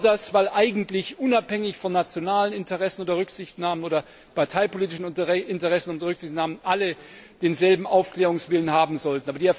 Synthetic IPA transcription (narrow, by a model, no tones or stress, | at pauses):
dasv̥aɪlʔaɪɡŋ̩tlɪçʔʊnaphɛŋɪçfɔnːat͡sjonaːlənɪntəʁɛsn̩oːdɐʁʏkz̥ɪçtnaːmənoːdɐ | paɐtʰaɪpoliːtɪʃn̩ɪntəʁɛsn̩oːdɐʁʏksɪçtnaːmənʔalə | d̥eːnzɛlbm̩ʔaʊfkl̥ɛːʁʊŋsv̥ɪlənhaːbm̩zɔltn̩aːbɐdiɛɐf